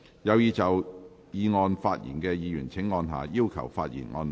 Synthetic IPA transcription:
jɐ˨˧wjiː˨˧t͡sɐ˨w | jiː˨˧ŋɔː˧nfaː˧t̚jḭː˨˩nkɛː˧jiː˨jyː˨˩nt͡sʰɪ˨˥ŋːɔː˧nɦa̰ː˨jiː˥wkʰɐ̰˨˩wfaː˧t̚jḭ˨˩nŋɔ̰ː˧n

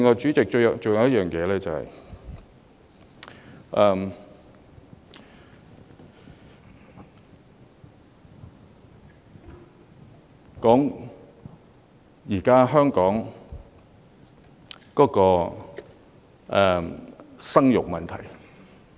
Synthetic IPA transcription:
ɪ˨ŋɔː˨˩t͡ʃyː˨˥t͡sɪ˨k̚t͡ʃɵ˧˨t͡ʃo˨wjɐ˨˦wjɐ˥jœː˨ŋjɛː˨˧lɛː˥t͡sɐ˨hɐ̰˨j | ʔɛ˨˧m | kɔː˨˥ŋ | jiː˨˩kaː˥ɦœː˥ŋkɔː˨˥ŋ | kɔː˨˥kɔː˧ | ʔɛ˨˩ | sɐ˥ŋjʊ˨k̚mɐ˨nt̪ʰɐ̰˨˩j

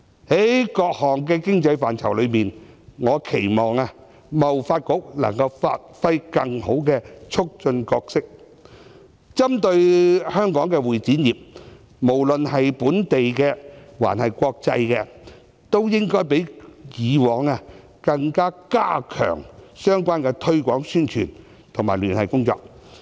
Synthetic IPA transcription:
hɐ˨˦jkɔː˧k̚hɔː˨˩ŋkɛː˧kɪ˥ŋt͡sɐ˧jfaː˨nt͡sʰɐ˨˩wlɵ˨˧ɥmiː˨nŋɔː˨˧kʰe˨˩jmɔː˨˩ŋaː˧ | mɐ˨wfaː˧t̚kʊ˨˥k̚lɐ̰˨˩ŋkɐ˧wfa̰ː˧t̚fɐ˥jkɐ˧ŋho˨˥wkɛː˧t͡sʰʊ˥k̚t͡ʃɵ˧nkɔː˧k̚sɪ˥k̚ | t͡sɐ˥mt̪ɵ˧ɥhœː˥ŋkɔː˨˥ŋkɛː˧wuː˨˩jt͡siː˨˥njiː˨p̚ | mo˨˩wlɵ˨nhɐ˨jpuː˨˥nt̪e˨jkɛː˧wa̰ː˨˩nhɐ˨jkʷɔː˧k̚t͡sɐ˧jkɛː˧ | t̪o˥wjɪ˥ŋkɔː˥jp̬e˨˥jjiː˨˧wɔː˨˥ŋa˧ | kɐ˧ŋkaː˥kaː˥kʰœ̰ː˨˩ŋsœː˥ŋkʷaː˥nkɛː˧t̪ʰɵ˥ɥkʷɔː˨˥ŋsyː˥nt͡ʃʰyː˨˩n | t̪ʰʊ˨˩ŋmaː˨˩jlyː˨˩nhɐ˨˩jkʊ˥ŋt͡sɔ̰ː˧k̚

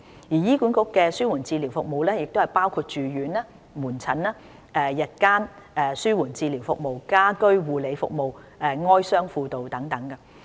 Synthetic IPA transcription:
jiː˨˩jiː˥kuː˨˥nkʊ˨˥kːɛː˧syː˥wuː˨˩nt͡siː˧liː˨˩wfʊ˨k̚mo˨wlɛː˥jɪ˨k̚t̪o˥hɐ˨jpaː˥wkʰuː˧t̚t͡ʃyː˨ɥyː˨˥naː˥ | muː˨˩nt͡sʰɐ˨˥naː˥ | ɛː˨˧jɐ˨t̚kaː˥nɛː˨˩syː˥wuː˨˩nt͡siː˧liː˨˩wfʊ˨k̚mo˨wkaː˥kɵ˥ɥwuː˨le˨˧jfʊ̰˨k̚mo˨w | ɛː˨˧ŋɔː˥jsœː˥ŋfuː˧t̪o˨wt̪ɐ˨˥ŋt̪ɐ˨˥ŋkɐ˧

